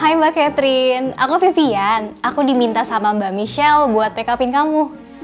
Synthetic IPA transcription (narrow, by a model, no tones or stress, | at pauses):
ɦajbakɛt̪ɾɪnakufifianakudimint̪asamambamiʃɛlbuat̪̚pekapɪnkamu